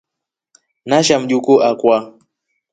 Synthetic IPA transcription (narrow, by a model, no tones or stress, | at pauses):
naʃam̩ɗukɔʔakwa